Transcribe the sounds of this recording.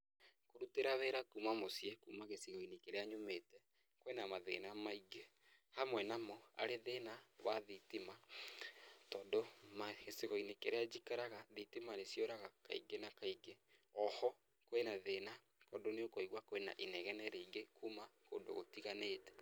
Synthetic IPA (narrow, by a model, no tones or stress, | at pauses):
koɾuteɾaβɛɾakumamosjekumaɣesiɣɔinekeɾeaɲomeːtɛ | kowɛnamaðḛnamaiɡe | hamwɛnamɔa̰ɾeðenaβaðitima | tɔːndomaɣeseɣɔinekeɾead͡ʒikaɾaɣaðitimanesjoɾaɣaka̰ḭɡenakaiɡe | ɔhɔ | koenaðena | kɔːndoneokoiɣwakoɛna̰ʔinɛɣɛnɛɾeiɡekumako̰ːndo̰ɣo̰tiɣaneːtɛ̥